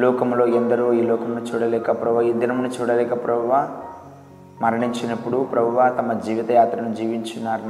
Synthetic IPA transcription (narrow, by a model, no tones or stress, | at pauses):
lɔːkɐmlo̞ːɐnd̪ɐɾoːiːlɔːkɐmnut͡ʃuːɽɐlɛːkɐpɾɐbɐed̪ːinɐmnit͡ʃuːɽɐlɛːkɐpɾɐbɐʋa | mɐɾɐɳiɲt͡ʃinɐpːuɽupɾɐbʱɐʋat̪ɐmɐd͡ʒiːʋit̪ɐjaːt̪ɾɐnud͡ʒiːʋiɲt͡ʃinːaːɾn